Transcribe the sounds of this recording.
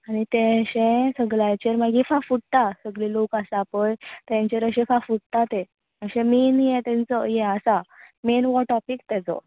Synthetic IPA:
aɽ̃it̪ɛ̃ɕɛ̃səɡlat͡ɕeɾmaɡifafuɽt̪asəɡlilokasaːpəjt̪əjãɲt͡ɕeɾəɕɛ̃fafuɽt̪at̪ẽ | əɕɛ̃minjɛ̃t̪ɛ̃nt͡sɔjɛ̃asamenʋɔʈɔpikt̪ɛt͡sɔ̰

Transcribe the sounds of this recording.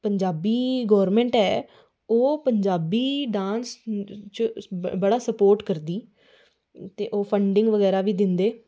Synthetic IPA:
pəɲd͡ʒaːbiːɡɔːɾmɛ̃ːɳʈɛː | oːpəɲd͡ʒaːbiːɖãːnst͡ʃbəɽaːsəpoːɾʈkəɾd̪iː | t̪eːʔoːpʰəɳɖɪŋɡʋəɡɛːɾaːʋiːd̪ɪnd̪eː

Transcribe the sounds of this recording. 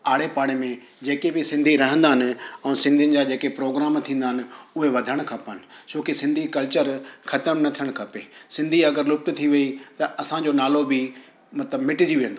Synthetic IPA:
aːɽ̤epaːɽ̃ɪmẽ | d͡ʑeːkebɪsɪ̃nd̪ʱiɾɐɦə̃nd̪aːɦɪnɪ̆ɛ̃ũsɪ̃nd̪ʱiʊ̃nɪ̆d͡ʑaːd͡ʑeːkepɾoːɡɾaːmt̪ʰĩːnd̪aɦɪnɪ̆ʊɦeʋɐd̪ʱəɽ̃kʰãpaːnɪ̆soːkisɪ̃nd̪ʱikɐlt͡ɕəɾxɐt̪əmnɐt̪ʰiəɽ̃kʰɐpeːsɪ̃nd̪ʱiɐɡəɾlʊk̚t̪ʊt̪ʰiʋɐit̪ɐʔɐsãd͡ʑoːnaːlobɪ | mɐt̪ləbmɪʈɪd͡ʑiʋĩːə̃nd̪oː

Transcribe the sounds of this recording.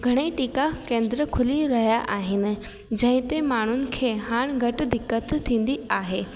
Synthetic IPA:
ɡʱɐɽ̃eʈiːkakẽːnd̪ɾəkʰʊliɾɐɦijaʔaːɦɪnɪ̆ | d͡ʑɐ̃ɦɪ̃t̪emaːn̤ʊnɪ̆kʰeːɦaːɽ̃ɡʱɐʈ̆d̪ɪkːət̪ʰːĩːn̆d̪iaːɦeː

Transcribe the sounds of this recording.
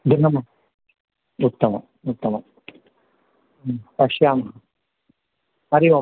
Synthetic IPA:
d̪inɐmɐ | ut̪ːɐmɐ | ut̪ːɐmɐ | pɐʂjaːmɐɦɐ | ɐɾiʋɐ

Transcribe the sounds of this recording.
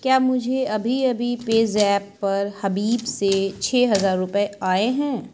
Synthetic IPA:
kjaːmʊd͡ʒʱeɐbʱiɐbʱipeːzɛːpːɐɾhɐbiːbset͡ʃʰeːɦɐzaːɾːʊpeaːeɦɛ̃ː

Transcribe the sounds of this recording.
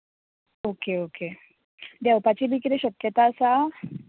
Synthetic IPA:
okeoke | d̪ewpat͡ɕibik̬it̪eɕəkjət̪asa

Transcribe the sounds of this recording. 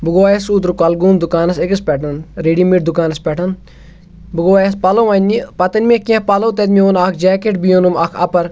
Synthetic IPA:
buɡoːjɐsuːt̪ɾukɐlɡuːnd̪ukaːnɐsekɐspʲɛʈɐnɾeːɖimiʈ̚d̪ukaːnɐspɛʈʰɐn | bɨɡoːjespɐloʋɐnʲːipɐt̪ɐnʲmẽkiɐ̃pɐloːt̪et̪mioːnakʰd͡ʒɛːkeʈbijonumɐkʰɐ̰pɐɾ

